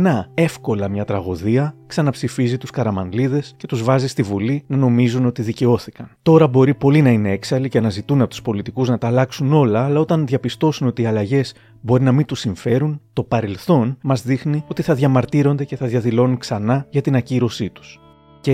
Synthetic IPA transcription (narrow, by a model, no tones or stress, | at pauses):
nɐe̞fko̞lɐmɲɐt̪ɾɐɣo̞ðiɐksɐnɐpsifizit̪uskɐɾɐmɐnliðe̞sce̞t̪uzvɐzist̪ivulinɐno̞mizuno̞t̪iðice̞o̞θikɐnt̪o̞ɾɐbo̞ɾipo̞linɐine̞e̞ksɐlicenɐzit̪unɐpo̞t̪u̥spo̞lit̪ikuznɐt̪ɐːlɐksuno̞lɐːlɐo̞t̪ɐnðʝɐpist̪o̞suno̞t̪iɐlɐʝe̞z̥ | bo̞ɾinɐmint̪usiɱfe̞ɾunt̪o̞pɐɾe̞lθo̞nmɐzðixnio̞t̪iθɐðʝɐmɐɾt̪iɾo̞nd̪e̞ce̞θɐðʝɐðilo̞nuŋksɐnɐʝɐt̪inɐciɾo̞sit̪u̥s | ce